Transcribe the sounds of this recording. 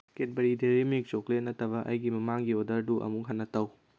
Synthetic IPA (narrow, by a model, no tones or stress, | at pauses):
ket̚bɐɾideɾimik̚t͡ʃoklenɐtʰɐβɐʔɐ̰jɡimɐmaŋɡiodɐɾduʔɐ̰mukɦɐnːɐtɐw